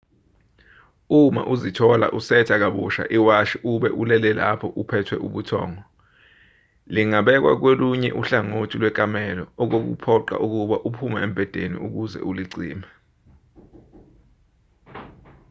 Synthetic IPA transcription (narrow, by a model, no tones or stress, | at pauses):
uma̰ʔuzitʰɔla̰ʔusɛtʰak̬aɓṵʃa̰ʔiwaʃiʔuɓɛʔulɛlɛla̰pʰɔʔupʰɛtʰwɛʔuɓutʰɔ̰ːŋɔ | liŋaɓɛk̬wa̰k̬weluɲɛʔuɬaŋotʰilwɛk̬ʼamɛlɔɔk̬ok̬ṵpʰɔǃa̰ʔuk̬uɓaʔupʰumɛembʱɛd̥ʱenḭuk̬uzɛ̰ʔuliǀḭːmɛ